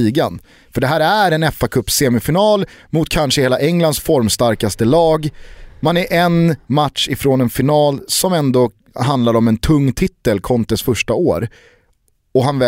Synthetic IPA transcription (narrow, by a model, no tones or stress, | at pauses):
iːɡan | fœɖɛɦæːɾæɾɛnɛfːakʰɵpːseːmɪfɪnɑːlmʊt̪̚kʰanʂəheːlaʔɛŋlansfɔɾmst̪aɾkast̪əlɑːɡmanæʔɛnmat̪ʂɪfɾoːnɛnfɪnɑːlsɔmɛnd̪o | ɦand̪laɾɔmɛnt̪ʰɵŋːt̪ʰɪt̪ːəlkʰɔnt̪əsfœʂʈaoːɾ | ɔɦanvɛ